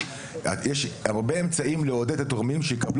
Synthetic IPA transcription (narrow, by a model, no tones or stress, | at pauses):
a̰jɛʃaʁbeemt͡saimleodet̪atoʁmimʃejikabl